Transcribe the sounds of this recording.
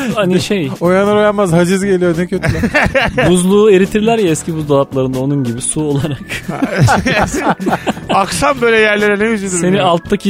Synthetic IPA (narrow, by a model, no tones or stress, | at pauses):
aniʃejojanaɾojanmazhad͡ʒizɟelʲijonɛcʰøt̪lʲ | uzlˠuːe̞ɾit̪ʰiɾlʲæɾjaɛscibuzd̪alˠaplˠaɾɯnd̪ao̞nunɟibisuo̞lˠaɾak | akʃambø̞jlʲɛjæɾlʲe̞ɾɛnɛjyzyd̪yse̞nialˠt̪ʰːacʰi